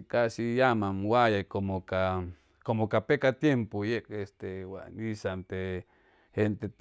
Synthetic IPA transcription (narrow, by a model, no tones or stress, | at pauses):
kasijamamwajakomoka | komokapekat̪jempojekest̪ewa̰nisanp̪e | hent̪et̪